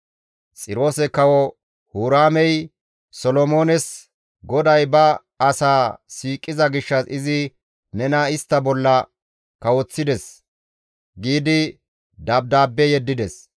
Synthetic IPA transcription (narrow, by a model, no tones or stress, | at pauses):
t͡sʼɪɾo̞ːsɛkɐwɔ | huːɾaːmɛj | sɔlɔmo̞ːnɛs | ɡɔd̪ɐjbɐː | saːsiːkʼːɪzɐɡɪʃːɐsɪzɪ | nɛnɐɪst̪ːɐbɔlːɐ | kɐwɔt͡sːɪd̪ɛs | ɡiːd̪ɪ | d̪ɐb̚d̪aːbːɛjɛd̪ːɪd̪ɛs